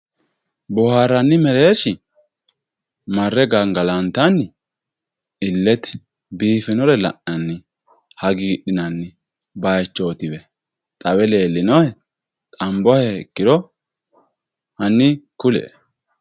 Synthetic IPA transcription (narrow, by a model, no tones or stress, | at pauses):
bʊhaːɾɐnːɪmɛɾeːʃɪ | mɐrːɛɡɐŋɡɐlɐnt̪ɐnːɪ | ɪlːɛt̪ɛ̥ | biːfɪnɔɾɛlɐ̰ʔɐnːɪ | hɐɡiːɗɪnɐnːɪ | bɐjt͡ʃːo̞ːt̪ɪbɛ | t̪ʼɐwɛle̞ːlːɪnɔhɛ | t̪ʼɐmbɔhɛɛkːɪd̪ɔ | hɐnːɪkʊlɛ̰ʔ